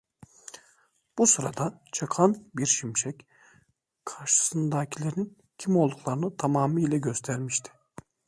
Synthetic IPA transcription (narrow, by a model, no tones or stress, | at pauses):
b̥usɯɾad̪at͡ʃʰakʰanbiɾʃimʃɛc | kʰaɾʃɯ̥sɯnd̪aːcʰilʲeɾnin | cʰimo̞lˠd̪ukʰlˠaɾɯnɯt̪ʰamaːmiːlʲɛɟø̞st̪ʰæɾmiʃt̪ʰi̥